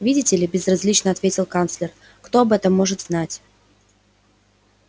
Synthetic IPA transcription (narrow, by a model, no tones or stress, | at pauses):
vʲidʲɪtʲɪlʲɪbʲɪzrɐzʲlʲit͡ɕnəɐt̪vʲetʲɪlˠkant̪slʲɪr | kt̪o̞ɐbɛt̪əmːo̞ʐɨt̪znatʲ